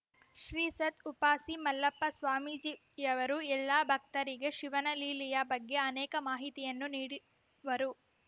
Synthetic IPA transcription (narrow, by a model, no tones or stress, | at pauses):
ʃɾiːsɐt̪upaːsimɐlːɐpːɐsʋaːmiːd͡ʒi | jɐʋɐɾuɛlːaːbʱɐk̚t̪ɐɾiɡe̞ʃiʋɐnɐliːlijabɐɡːe̞ɐnɛːkɐmaːɦit̪ijɐnːuniːɽi | ʋɐɾu